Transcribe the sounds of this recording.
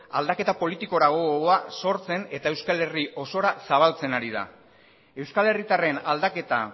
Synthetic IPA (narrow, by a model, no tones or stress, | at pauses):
ald̪ake̞t̪apo̞lit̪iko̞ɾaɣ̞o̞aso̞ɾt͡se̞ne̞t̪ae̞wskale̞riʔo̞so̞ɾasaβ̞alt͡se̞naɾið̞a̰ | e̞wskale̞rit̪are̞nald̪ake̞t̪a̰